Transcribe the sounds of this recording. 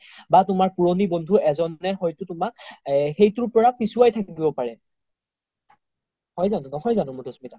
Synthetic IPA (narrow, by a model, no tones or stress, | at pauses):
batʊmaɹpuɹonibɔndʱuɛzɔnɛxɔjtʊtʊmak̚xejtʊɹpɔɹapisuwajtʰakkibɔpaɹɛ | hɔjzanʊnɔɦɔjzanʊmudɔsmita